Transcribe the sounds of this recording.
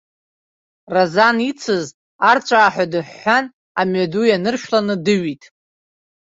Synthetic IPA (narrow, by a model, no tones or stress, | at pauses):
razanit͡sʰɨz | art͡ʃʷʼaːħʷadɨħːan | amɥadujanɨrʃᶣlanɨdɨɥitʼ